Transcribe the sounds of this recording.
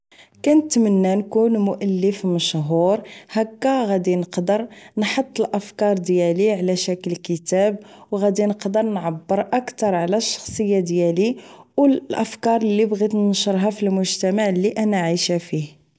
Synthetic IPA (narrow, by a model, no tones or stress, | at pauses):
kænət̪mənːænkunmʊʔælːəfməʃɦuɾhækːæɣæd̪inəqd̪əɾnħot̪ˤːəlʔəfkɑɾˤd̪jæliʕlæʃækəlkət̪æbwɣæd̪inəqd̪əɾˤnʕabːəɾʔækt̪ɑɾˤʕlæʃːɑ̥xsˤəjːad̪jæliwlʔəfkɑɾˤlːibɣit̪nʃəɾˤɦæfilmʊʒt̪æmaʕliʔænaʕiʃæfih